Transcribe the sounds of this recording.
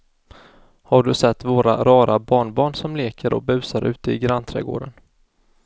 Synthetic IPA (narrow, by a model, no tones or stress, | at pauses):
haɖɵsɛt̪ːvoːɾa̰ɾɑːɾabɑːɳbɑːɳsɔmleːkəɾʔɔ̰bʉ̟ːsaɾʔʉ̟ːt̪əɪɡɾant̪ʰɾɛ̰ːɡo̰ːɖən